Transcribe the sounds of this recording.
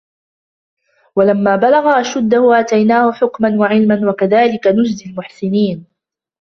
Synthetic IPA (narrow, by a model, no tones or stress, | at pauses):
walamːaːbalaɣaʔaʃad̪ːahʊʔat̪ajnaːhʊħʊkmanwaʕɪlmanwakaðaːlɪkanʊd͡ʒd̪almʊħsɪniːn